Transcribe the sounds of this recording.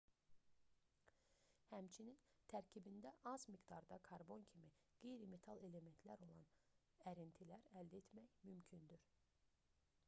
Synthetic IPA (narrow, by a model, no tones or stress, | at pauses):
hæmt͡ʃʰinint̪ʰæɾcʰibind̪æʔɑz̥miɡd̪ɑɾd̪ɑkʰɑɾbo̞ncʰimi | ɡ̥e̞jɾime̞t̪ʰɑlˠe̞le̞me̞nt̪ʰlæɾo̞lˠɑn | æɾint̪ʰilæɾæld̪æet̪mæçmymcʰynd̪yɾ̥